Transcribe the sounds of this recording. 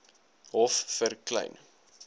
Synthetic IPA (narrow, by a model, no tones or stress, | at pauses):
ɦɔfːərklɛ̰jn